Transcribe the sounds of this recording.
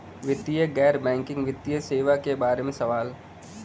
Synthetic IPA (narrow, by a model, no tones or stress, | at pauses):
ʋɪt̪ːijəɡɛːɾbɛ̃ːŋkɪ̃ŋɡʋɪt̪ːijəseːʋakebaːɾemẽsɐʋaːl